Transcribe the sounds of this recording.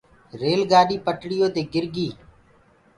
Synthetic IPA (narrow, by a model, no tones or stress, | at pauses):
ɾeːlɡaːɗiːpəʈɽɪjoːt̪eːɡɪɾɡiː